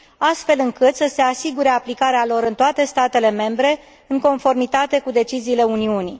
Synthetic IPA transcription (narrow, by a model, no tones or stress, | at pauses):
ast̪fe̞lɨŋkɨt̪səse̞asiɡuɾe̞aplikaɾealo̞ɾɨnt̪oat̪e̞st̪at̪e̞le̞me̞mbɾe̞ | ɨŋko̞nfo̞rmit̪at̪e̞kud̪e̞t͡ʃiziːle̞uniuni